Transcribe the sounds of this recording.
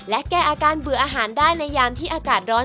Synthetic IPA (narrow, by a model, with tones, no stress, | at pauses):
lɛ˦˥ʔkɛː˧˩ʔaː˧kaː˧nbɯ˨˩˦ʔaː˧ɦaː˩˦ndaː˥˩jna˧jːaː˧mt̪ʰiː˥˩ʔaː˧kaː˨˩t̪̚ɾɔː˦˥